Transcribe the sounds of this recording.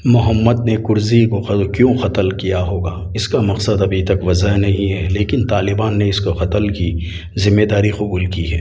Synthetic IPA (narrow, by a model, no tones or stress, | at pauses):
mʊɦəmːəd̪nekʊɾzikokjõːxɐt̪əlkijaɦoːɡaː | ɪskamɐqsəd̪ɐbʱit̪ɐkʋɐzəɦnɐɦĩɦɛleːkɪnt̪aːlɪbaːnːeɪskoxɐt̪əlki | zɪmːeːd̪aːɾiqʊbuːlkiɦɛ̰ː